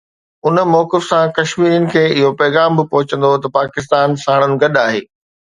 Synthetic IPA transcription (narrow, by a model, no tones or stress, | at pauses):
ʊnmɔːkɪfsãkɐʃmiːɾiənɪ̆kʰeːɪɦopɛːɣaːmbɪpʊɦʊt͡ɕə̃nd̪ot̪ɐpaːkɪst̪aːnsaːɽ̃ənɪ̆ɡɐɗaːɦeː